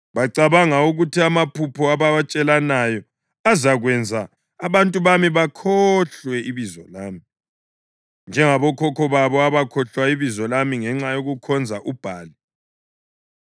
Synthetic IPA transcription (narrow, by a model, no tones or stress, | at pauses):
βaǀaβaŋauɣutʰiamapʰupʰɔaβat͡ʃʼɛlanajɔ | azaɣwɛnd͡zʱaː | βantʼuβamiβakʰɔɬwɛiβizɔlaːmi | nd͡ʒʱɛŋaβɔkʰɔkʰɔβaβɔaβakʰɔɬwaiβizɔlamiŋɛŋ͡ǁajoɣukʰɔnd͡zʱaʔub̥ʱaːli